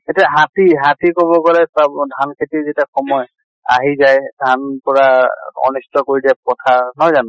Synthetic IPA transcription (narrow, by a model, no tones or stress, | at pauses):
etiaɦatiɦatikɔbɔpalɛsabdʱankʰetizetiaxɔmɔj | a̰ɦizajdʱanpɔɹaɔ̰nistɔkoɹidiap̚ɔtʰaɹnɔjzanʊ